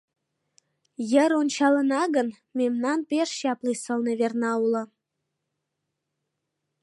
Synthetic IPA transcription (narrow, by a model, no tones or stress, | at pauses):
jə̆ɾont͡ɕɑlə̆nɑɣə̆n | memnɑnpeʃɕɑplisəlˠneβernɑulɤ̆